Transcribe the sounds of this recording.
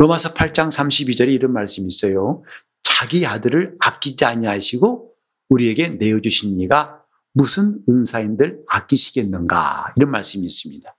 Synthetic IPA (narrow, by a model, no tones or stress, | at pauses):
ɾomasʰʌpʰaɭt͡ɕ͈aŋsʰamɕʰibid͡ʑʌɾe̞iɾʌnmaɭs͈ɯmis͈ʌjo | t͡ɕaɡiadɯɾɯɭak͈id͡ʑiaɲiɦaɕʰiɡo | uɾieɡe̞ne̞jʌd͡ʑuɕʰinːiɡa | musʰɯnɯnsʰaindɯɾak͈iɕʰiɡe̞nːɯnɡa̰iɾʌnmaɭs͈ɯmiːs͈ɯmɲida